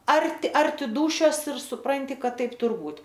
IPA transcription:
ˈɐrʲtʲɪ ˈɐrʲtʲɪ ˈduːʃʲoːs ɪr sʊˈprɐnʲtʲɪ ˈkɐt ˈtɐɪp ˈtʊr ˈbuːt

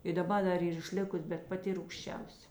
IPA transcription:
ɪ dɐˈbɐ dɐ ˈiːr ɪʃʲˈlʲɪkʊs bʲɛt pɐˈtʲɪ ruːkʃʲˈt͡ʃʲɛʊsʲɛ

